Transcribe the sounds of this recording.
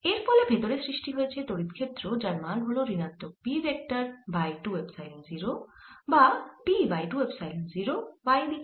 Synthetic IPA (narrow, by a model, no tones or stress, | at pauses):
eɾpɔlebʱet̪oɾesɾiʃʈiɦojet͡ɕʰet̪oɽit̪kʰet̪ːɾod͡ʑaɾmalɦoloɾinat̪ːok̚piɾek̚ʈəɾbajʈuwebsajlenziɾobapibajʈuwebsajlenziɾobajd̪i